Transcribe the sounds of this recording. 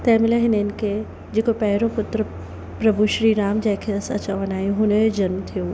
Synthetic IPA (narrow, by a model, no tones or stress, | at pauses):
t̪ɐ̃ːɪ̃mɪləɦɪnɪnkʰe | d͡ʑeːkopɛɦɾõpʊt̪ɾə | pɾɐbʱuʃɾiːɾaːmd͡ʑɐ̃ɦɪ̃kʰeɐsã̰t͡ɕɐʋənaːjoɦʊnd͡ʑɐnmt̪ʰijo